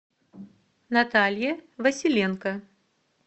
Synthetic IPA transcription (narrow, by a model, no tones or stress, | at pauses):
nat̪alʲjɛvɐsʲilʲɛnkɐ